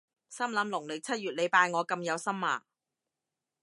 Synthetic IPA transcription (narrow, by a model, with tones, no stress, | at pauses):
sɐ˥mlɐː˨˥mlʊ˨˩ŋlɪ˨k̚t͡sʰɐ˥t̚ɥyː˨t̚le˨˧jpaː˧jŋɔː˨˧kɐ˧mjɐ˨˧wsɐ˥mːa̰ː˨˩